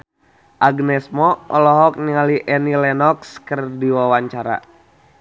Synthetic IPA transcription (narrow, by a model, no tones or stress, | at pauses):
ʔaɡnɛsmɔɔlɔɦɔk̚niŋaliʔɛnilɛnɔkskərdiwawaɲt͡ʃaɾa̰